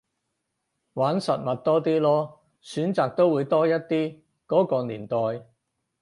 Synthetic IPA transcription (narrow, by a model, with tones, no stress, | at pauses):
waː˨˥nsɐ˨t̚mɐ˨t̚t̪ɔː˥t̪iː˥lɔː˥ | syː˨˥nt͡saː˨k̚t̪o˥wuː˨˧jt̪ɔː˥jɐ˥t̚t̪iː˥ | kɔː˨˥kɔː˧niː˨˩nt̪ɔː˨˧j